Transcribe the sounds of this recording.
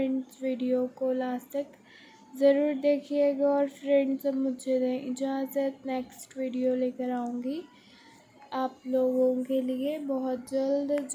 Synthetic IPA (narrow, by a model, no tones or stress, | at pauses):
ɛ̃ɳɖsʋiːɖijokolaːst̪ək | zɐɾuːɾd̪eːkʰieːɡaɔːɾfɾɛ̃ɳɖsɐbmʊdd͡ʒʱed̪ẽʔɪd͡ʒaaːzət̪neːksʈʋiːɖijoleːkəɾaːõːŋɡi | aːploːɡõkeliebɔɦʊt̪̚d͡ʒɐld̪d͡ʒ